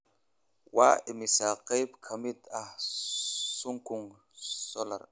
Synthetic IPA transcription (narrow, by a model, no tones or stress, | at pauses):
waːɪmisaqajbkʰɐmid̪ah | suŋkuŋ | solɐ̰ɾ